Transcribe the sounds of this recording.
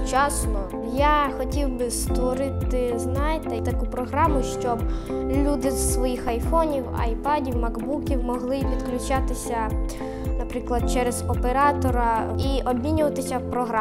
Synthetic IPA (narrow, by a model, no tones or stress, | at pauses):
t͡ʃɑsnɔ | jaxɔtʲiwbɪst̪ʋɔɾɪt̪ɪznɑjʲt̪ɐt̪ɐkupɾɔɦɾɑmʊʃt͡ʃɔb | lʲud̪ɪz̥sʋɔjixɐjfɔnʲiwɐ̰jpadʲiwmɐɡbukʲiwmɔɦlˠɪpʲid̪klʲʊt͡ʃat̪ɪsʲɐ | nɐpɾɪklˠɐd̪̚t͡ʃɛɾez̥ɔpeɾɑt̪ɔɾɐiʔɔbʲmʲinʲʊʋɐt̪ɪsʲɐwpɾɔɦɾɑ